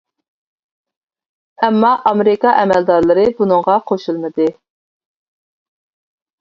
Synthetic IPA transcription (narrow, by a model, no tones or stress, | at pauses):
ɛmːɑʔɑmeɾɪkɑʔɛmɛld̪ɑɾlˠɨɾɨbunɨŋʁɑqʰoʃulˠmɨd̪ɨ